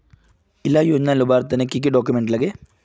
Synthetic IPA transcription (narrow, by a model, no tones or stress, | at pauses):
ilːaːjoːɲnalubaːɾt̪ːɐnekːik̬ːiɖoːkʲːjumeɳɖlɐɡe